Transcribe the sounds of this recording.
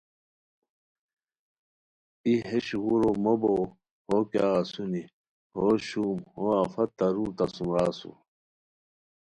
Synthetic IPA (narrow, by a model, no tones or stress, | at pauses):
iɦeɕɣuɾomobo | hoːka̰ːɐsuni | hoɕuːmhoɐfɐt̪ːɐɾuɾt̪ɐsumɾaːsṵ